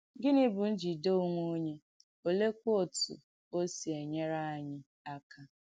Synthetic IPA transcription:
ɡɪ˦nɪ˦bʊ˨n̩˦d͡ʒi˨do˦u˦ŋʷo˦o˦ɲe˦ | o˦le˦kʷo˨tṵ˨ | o˦si˨e˨ɲe˦ɾa˦a˨ɲɪ˦ | a˦kʰa˦

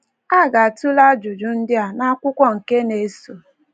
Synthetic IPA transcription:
a˦ɡa˨a˨tu˦la˦d͡ʒʊ˨d͡ʒʊ˨n̩˦dɪ˦a˨na˦kʷʊ˦kʷɔ˦ŋ̩˨ke˦ne˨˦su˨

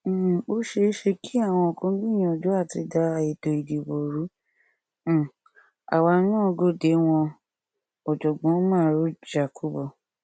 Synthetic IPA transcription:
o˦ʃe˧˦ʃe˧ki˦a˦˨w̃ɔ̃˧o˨kõ˨˦bĩ˦˨j̃ĩ˨d͡ʒu˨˦a˦˨ti˧˦da˧e˨do˨i˨de˨bo˨ɾũ˨˦˨ | a̰˨wa˧˦nãː˦˧ɡo˦de˨˦w̃ɔ̃˧ | ɔ˨d͡ʒɔ˨ɡ͡bɔ̃˨˦mãː˦˨˦ɾu˦d͡ʒa˨ku˦bɔ˨

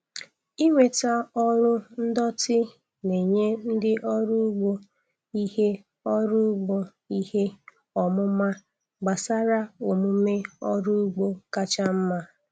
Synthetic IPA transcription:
i˦ŋʷe˨ta˦ɔ˦ɾʊ˦n̩˦dɔ˦tɪ˦ | ne˨ɲe˦n̩˦dɪ˦ʔɔ˦ɾu˦ɡ͡bo˦ | i˦he˦ | ɔ˦ɾʊ˦ɡ͡bo˦ | i˦he˦ | ɔ˨mʊ˦ma˦ | ɡ͡ba˨sa˦ɾa˦o˨mu˨˦me˦ɔ˦ɾu˦ɡ͡bo˦ka˦t͡ʃa˦m̩˦ma˦

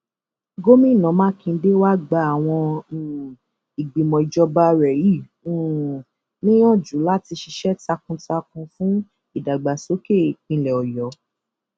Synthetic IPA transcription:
ɡo˦mĩ˦˨nã˨˦mãː˦kĩ˧˦de˦wa˦ɡ͡ba˧˦a˨w̃ɔ̃˧˦˨ | i˨ɡ͡bi˨mɔ̃˨i˨d͡ʒɔ˧ba˦ɾɛ˨ji˦˨ | u˦˨ | nĩ˦j̃ɔ̃˦˨d͡ʒu˨˦la˦ti˧ʃi˧ʃɛ˦ta˧kũ˧ta˧kũ˧fũ˦ | i˦˨da˨ɡ͡ba˨so˨˦ke˦˨k͡pĩ˨˧lɛ˨ɔ˨jɔ˨˦

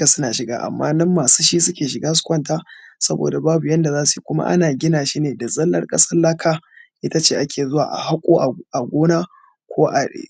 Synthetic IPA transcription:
a˨sʊ˦naː˨ʃɪ˨ɡa̰ː˦ʔa̰˨mːa̰ː˦nɐ˦mːaː˨suː˦ʃiː˦sʊ˦kʲeː˨ʃɪ˨ɡaː˦s̬ʊ̥˦kʷɐ˦ntaː˦sɐ˦bo̰ː˨da˨baː˦bu˨jɐ˦nda˨zaː˦su˨ji˨˦kʷʊ˦ma̰˦ʔa̰˦naː˨ɡʲɪ˦naː˨ʃi˦neː˨da˨zɐ˦lːɐ˦rkʼɐ̰˦sɐ˦rla˦kʰaː˦ʔɪ˦ta˦t͡ʃeː˦˨ʔa˦kʲʰeː˨zʊ˦wa̰ː˨ʔa̰˨ɦa˦kʷʼoː˦ʔʔa˨ɡʷoː˦naː˦ | kʷʰoː˦ʔa˨ḛː˨

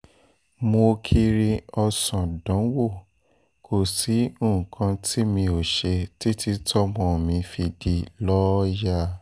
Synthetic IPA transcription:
mo˧kʰi˧ɾi˧ɔ˧sã˨dɔ̃˨˦wo˦˨ | kʰo˨si˨˦o˦˨ũ˨kʰã˧tʰi˦mĩ˧o˨ʃe˧ti˦ti˧tʰɔ˦mɔ̃˨˧˨mĩ˧fi˧di˧lɔ˦ja˦

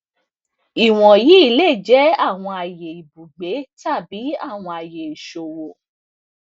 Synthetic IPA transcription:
i˨w̃ɔ̃˨ji˨˦i˦˨le˦˨d͡ʒɛ˨˦a˦˨w̃ɔ̃˧a˨je˨i˨bu˨ɡ͡be˨˦ta˦˨bi˨˦a˦˨w̃ɔ̃˧a˨je˨i˨ʃo˨wo˨

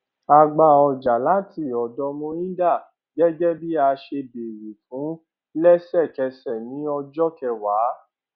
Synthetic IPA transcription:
a˧ɡ͡ba˧ɔ˧˨d͡ʒa˨la˨˦ti˦˨ɔ˨dɔ˧mɔ̃˧˦ĩ˦da˦˨ | ɡɛ˦ɡɛ˦bi˦a˧ʃe˧be˨ɾi˨fũ˨˦ | lɛ˦sɛ˦˨kɛ˧sɛ˨nĩ˨˦ɔ˧d͡ʒɔ˦kɛ˧wa˨˦

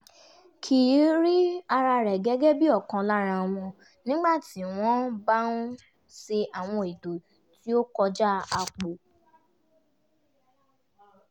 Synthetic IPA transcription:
kʰi˨˦ɾi˦a˧ɾa˧ɾɛ˨ɡɛ˨˦ɡɛ˦bi˦ɔ˦˨kã˧la˦ɾ̃ã˧˨w̃ɔ̃˧ | nĩ˨˦ɡ͡ba˦˨ti˨˦w̃ɔ̃˦ba˦nũ˦ | se˧ʔa˨w̃ɔ̃˧e˨do˨ | ti˦o˦kɔ˧d͡ʒa˦a˧k͡po˨

